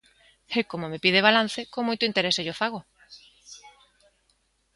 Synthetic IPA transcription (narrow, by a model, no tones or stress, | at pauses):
ekomomepiðeβ̞alan̟θekoŋmojt̪oʊint̪eɾeseʝofaɣ̞o